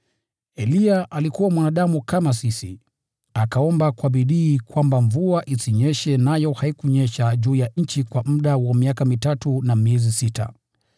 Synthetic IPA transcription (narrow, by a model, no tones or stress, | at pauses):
ɛliaʔalikuwamwanaɗamukamasisḭ | akaɔmbakwaɓiɗiːkwambaɱvuaʔisiɲɛʃɛnajɔhaikuɲɛʃaʄuːjaɲ̩t͡ʃikwam̩ɗawamiakamitatunamiɛzisita̰